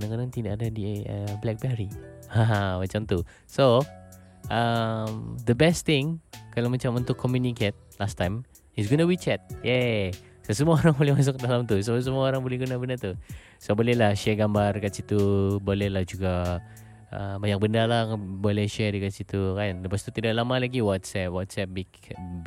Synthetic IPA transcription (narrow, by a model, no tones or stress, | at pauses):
daŋkadaŋt̪idaʔadadiəblɛk̚bɛɾiamat͡ʃamt̪u | so | ʔəmd̪əbɛst̪ɪŋkalawmat͡ʃamunt̪ʊkʰːɔmjuniket̪̚last̪ajm | ɪsɡonuwit͡ʃɛt̪̚jɛ | səsəmuaoɾaŋbolɛhmas̬ʊk̚dalamt̪us̬əs̬əmuaoɾaŋbolɛhɡunabəndat̪u | sobolɛhlahʃɛɡambarkat̪sit̪ubolɛhlahd͡ʒuɡa | əbaɲak̚bəndalabolɛhʃɛrikat̪sit̪ukajanləpast̪ut̪idaʔlamalaɡiwɔt̪sɛpwɔt̪sɛp̚bik